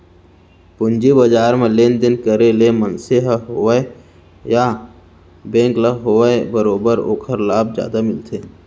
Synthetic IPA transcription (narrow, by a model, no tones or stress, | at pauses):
pʊnd͡ʒibəd͡ʒaːɾmẽlend̪ɪnkəɾelemənseɦəɦoʋəe | ja | bẽːŋkləɦoʋəebəɾoːbəɾo̰ːkʰəɾlaːbd͡ʒja̰ːd̪amɪlt̪ʰeː